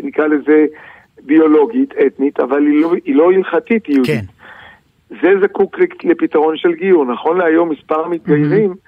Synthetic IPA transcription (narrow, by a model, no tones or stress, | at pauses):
nikʁaleze | bio̞lo̞ɡit̪ʰet̪nit̪avaliloilo̞ilχatit̪uit̪ | ze̞zakukllepit̪aʁo̞nʃelɡijuʁnaχo̞nleajo̞mːispaʁmit̪̚ɡajeʁim